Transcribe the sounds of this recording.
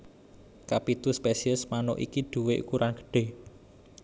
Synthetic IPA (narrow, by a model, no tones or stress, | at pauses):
kapit̪uspesiəsmano̰ʔḭkid̪̥ṳweʔkuɾʔanɡə̥ɖ̥e̤